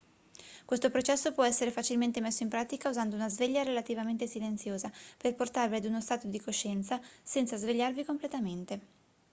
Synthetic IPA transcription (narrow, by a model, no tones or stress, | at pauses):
kwest̪opɾot͡ʃɛsːopwɔɛsːeɾefat͡ʃilment̪emesːoimpɾaːt̪ikauzand̪ounazveʎːaɾelat̪ivament̪esilent̪sjoːzaperport̪arviad̪unost̪aːt̪od̪ikoʃːɛnt̪sasɛnt̪sazveʎːarvikomplet̪ament̪e